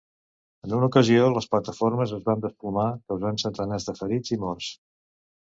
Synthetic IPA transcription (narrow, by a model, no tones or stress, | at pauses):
ənunukəzioləsplət̪əforməzəzβand̪əsplumakəwzansənt̪ənɛzðəfəɾid͡zimɔrs